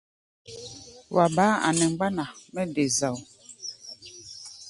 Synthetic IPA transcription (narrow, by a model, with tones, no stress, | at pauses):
wa˨baː˨˦a̰˨nɛ˨ŋ͡mɡ͡ba˦na˨mɛ˦de˨za˨w